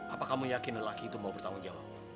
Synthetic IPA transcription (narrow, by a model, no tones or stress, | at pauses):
ʔapakamujakɪnəlakiːt̪umaupərt̪aŋɔnd͡ʒawa̰p̚